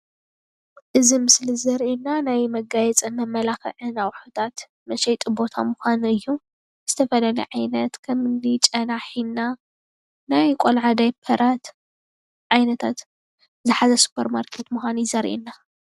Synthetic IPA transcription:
ʔɨzimɨslizɐɾʔinːanajmɐɡajɛt͡sʼɐmɐmːɐlaxɨ̰ʕɨnawħot̪ʰat̪ | mɐʃɐjt̪ʼubo̞t̪ʰa̰muxʷanɨjːu | z̥ɨt̪ʰɐfɐlalɐ̰ʕajnɐt̪kʰɐmɨnːit͡ʃʼɐnaħina | najkʷʼolʕad̪ajpʰɐɾat̪ | ʕajnɐt̪ʰat̪ | zɨħazɐsu̥pʰɐɾmaɾkʰet̪muxʷanizɐɾʔḭnːa

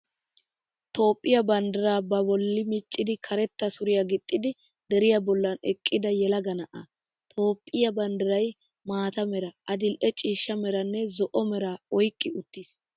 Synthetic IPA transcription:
t̪o̞ːpʼːɪjɐbɐnd̪ɛɾaːbɐbɔlːɪmɪt͡ʃʼːɪd̪ɪkʰɐɾɛt̪ːɐsʊɾɪjɐɡɪt̪ʼːɪd̪ɪ | d̪ɛɾɪjɐbɔlːɐnɛ̰kʼːɪd̪ɐjɛlɐɡɐnɐʔɐ̰ | t̪ʰo̞ːpʼːɪjɐbɐnd̪ɛɾɐj | maːt̪ɐmɛɾɐʔɐd̪ɪlʔɛt͡ʃʼiːʃːɐmɛɾɐnːɛzɔʔɔmɛɾaɔjkʼːɪʊt̪ːiːs

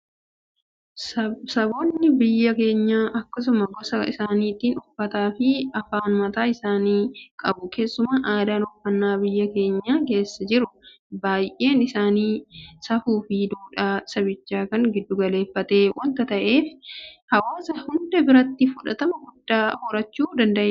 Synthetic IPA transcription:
sɐbo̞ːnːɪbɪjːɐke̞ːɲːaːʔɐkːɐsʊmɐɡɔsɐɪ̰saːniːt̪iːnʊfːɐt̪aːfɪɐfaːnmɐt̪aːɪsaːniːkʼɐbʊke̞ːsːʊmaʔaːd̪aːnʊfːɐnːaːbɪjːɐke̞ːɲːaːke̞ːsːɐd͡ʒɪɾʊ | baːjʔe̞ːnɪsaːniːsɐfuːfɪd̪uːᶑaːsɐbɪt͡ʃːaːkɐŋɡɪd̪ːʊɡɐle̞ːfːɐt̪e̞ːwɐnt̪ɐt̪ɐʔe̞ːfhɐwaːsɐhʊnd̪ɛbɪɾɐt̪ːɪfʊᶑɐ̰t̪ɐmɐɡʊd̪ːaːhɔɾɐt͡ʃːuːd̪ɐnd̪ɐʔeː

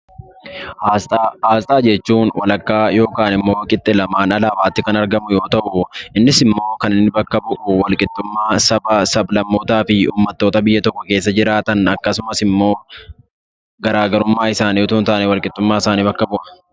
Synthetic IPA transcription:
ht̪ːhaːst̪ʼaːd͡ʒɛt͡ʃːuːnwɐlɐkːaːjo̞ːkaːnɪmːo̞ːkʼɪt̪ʼːɪlɐmaːnɐlaːwaːt̪ːɪkɐnɐɾɡɐmʊjo̞ːt̪ɐʔʊʔɪnːɪsɪmːo̞ːkɐnɪnːɪbɐkːɐbʊʔʊwɐlkʼɪt̪ʼːʊmːaːsɐbɐsɐblɐmːoːt̪aːfɪṵːmːɐt̪ːo̞ːt̪ɐbɪjːɐt̪ɔkːɔke̞ːs̬ːɐd͡ʒɪɾaːt̪ɐnɐkːɐsʊmɐsɪmːo̞ː | ɡɐɾaːɡɐɾʊmːaːɪsaːnit̪uːnt̪ɐʔɐnɛwɐlkʼɪt̪ʼːʊmːaːɪsaːniːbɐkːɐbʊʔɐ̥

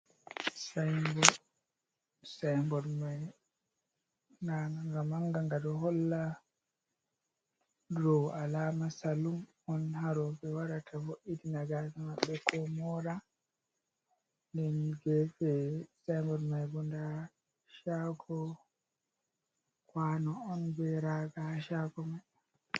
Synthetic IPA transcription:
sajmbɔ | sajmbɔdmaj | naɡamaŋɡaŋɡadɔɦɔlːa | ɾɔalamasalum | ɔnhaɾɔbɛwaɾatʰafoʔitinaɡadimaɓːɛkɔmɔɾa | ndɛnɡɛfɛsambɔɾmajbɔnda | ʃaɡɔ | kwanɔːnbɛɾaɡaʃaɡɔmaj

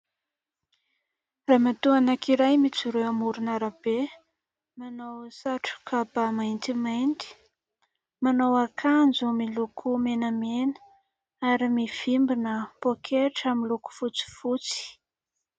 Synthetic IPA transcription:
raːmat̪uanakiɾajmit͡siɾewamuɾunaɾab̥e | manowsaʈ͡ʂu̥kʰapamajnt̪imajnt̪i̥ | manowakʰand͡zumilukʰumenəmenə̥ | aɾimiv̥imbinəpokʰeʈ͡ʂamiluku̥fut͡si̥fut͡si̥

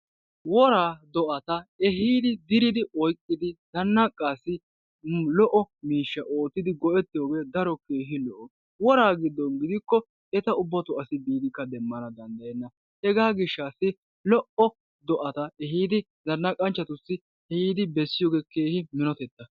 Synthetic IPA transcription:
wɔɾaːd̪ɔʔɐt̪ɐɛɦiːd̪ɪd̪ɪɾɪd̪ɪɔjkʼːɪd̪ɪd̪̥ɐnːɐkʼːaːsːɪ | lɔʔɔmiːʃːɐʔo̞ːt̪ːɪd̪ɪɡɔʔɛt̪ːɪjoːɡeːd̪ɐɾɔkeːɦɪlɔʔɔ | wɔɾaːɡɪd̪ːɔnɡɪd̪ɪkːɔ | ɛt̪ɐʊbːɐt̪ʊɐsɪbiːd̪ɪkːɐd̪ɛmːɐnɐd̪ɐnd̪ɐjɛnːɐ | hɛɡaːɡɪʃːaːsːɪ | lɔʔɔ | d̪ɔʔɐt̪ɐɛɦiːd̪ɪ | zɐnːɐkʼɐnt͡ʃːɐt̪ʊsːɪ | ɛhiːd̪ɪbɛsːɪjoːɡeːkeːhɪmɪnɔt̪ɛt̪ːɐ

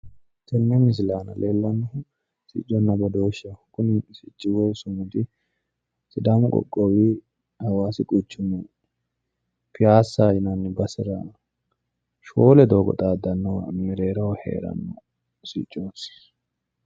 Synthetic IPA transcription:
kɛnːɛmɪs̬ɪlaːnɐ̰lʔeːlːɐnːɐhʊ | sɪ̰t͡ʃʼːɔnːɐbɐd̪o̞ːʃɐkʊnsɪt͡ʃʼːɪwɔsʊmʊt̪ɪ | sɪd̪aːmʊkʼɔ̰kʼːowiː | hɐwaːsɪkʼut͡ʃːʊnːɐ | fɪjaːsːaːjɪnɐnːɪbɐsɪɾan | ʃoːlɛd̪o̞ːɡɔ̰t̪ʼaːd̪ɐnːɔmiɾeːɾɐwhḛːɾɐ̰nːɔ | sḭt͡ʃʼːoːt̪ː

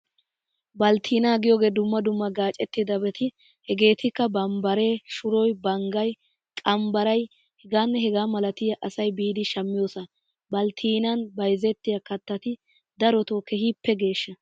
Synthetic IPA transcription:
bɐlt̪ʰiːnɐɡɪjoɡe̞ːd̪ʊmːɐd̪ʊmːɐɡaːt͡ʃʼɛt̪ːɪd̪ɐbɛt̪ʰɪ | hɛɡe̞ːt̪ʰɪkːɐbɐmbɐɾe̞ːʃʊɾɔjbɐŋɡɐj | kʼɐmbɐɾɐj | hɛɡaːnːɛhɛɡaːmɐlɐt̪ɪjɐʔɐsɐjbiːd̪ɪʃɐmːɪjoːsɐ | bɐlt̪ʰiːnɐnbɐjzɛt̪ːɪjɐkɐt̪ːɐt̪ɪ | d̪ɐɾɔt̪oːkʰɛhipːɛɡe̞ːʃːɐ

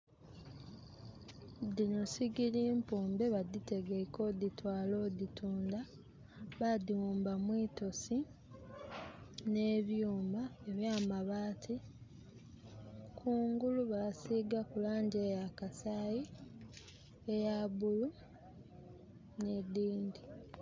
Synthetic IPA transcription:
dinosiɡiɾiːmpuːmbe̞βad̪ite̞ɡeko̞d̪itwaːlo̞ːditʰuːnda | βadiwuːmbamwiːto̞si | ne̞ːβjuːmbaeβjaːmaβaːtʰi | kʰuːŋɡuluβasiːɡakulaːɲɟeːjakasaːji | ejaβulu | nediːndi

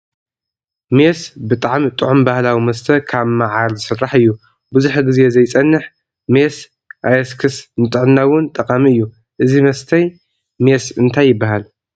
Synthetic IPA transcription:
mesbɨt̪ʼaʕmit̪ʼɨʕumbahlawimɐst̪ʰɐkʰaβmaʕalzɨsɨrːaħɨjːu | bɨzuħɡɨze̞zɐjt͡sʼɐnːɨħ | mes | ʔajɐskʰɨsnɨt̪ʼɨʕnnawʊnt̪ʼɐqʼamiɨjːu | ʔɨzimɐst̪ʰɐj | mesɨnt̪ʰajːɪbːaɦal

